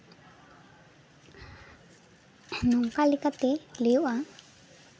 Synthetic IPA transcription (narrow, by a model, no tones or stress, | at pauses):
nuŋkalikat̪elijuʔa